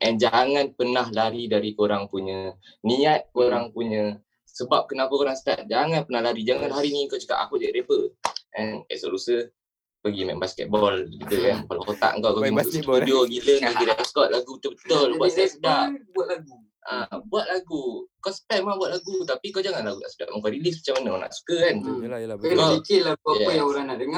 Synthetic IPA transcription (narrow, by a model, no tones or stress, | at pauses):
ʔɛnd͡ʒaŋanpənahlaɾidaɾikoɾaŋpuɲə | niat̪̚koɾaŋpuɲə | səbap̚kənapəkoɾaŋsət̪a̰t̪̚d͡ʒaŋanpənahlaɾid͡ʒaŋanlɦaɾinikot͡ʃə̥ka̰pa̰kuʔd͡ʒaɾepəʔɛnɛ̰ʔsolusə | pəɡimɛ̰̃mbaskɛ̰t̪̚bɔlikid̪əkankalakot̪a̰ʔə̰ŋkawpəɡimətʔudioɡiləŋpəɡidaaskɔt̪̚laɡut̪əbət̪ʊlbuaasət̪aʔbuat̪̚laɡu | ʔabuat̪̚laɡukɔsə̥pajmabwat̪̚laɡut̪apikawd͡ʒaŋanlaɡuna̰ʔsuda̰ʔmaŋkaɾilis̬mat͡ʃamanakana̰ʔsu̥kəkankənaikɪt̪laɛjaŋoɾaŋnaʔdəŋa